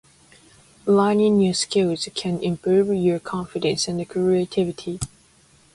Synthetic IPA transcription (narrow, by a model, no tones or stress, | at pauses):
lãɪnɪ̃njəskɪlˠz̥kʰɨ̃nɪ̃mpʰɹuvjəkʰɑ̃ɱfɪdə̃nsɪ̃nəkʰɹietʰɪvɪtʰi